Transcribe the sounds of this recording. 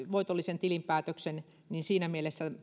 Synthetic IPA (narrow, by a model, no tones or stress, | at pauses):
ʋoit̪olːisent̪ilimpæːt̪øksen | ninsiːnæmielesːæ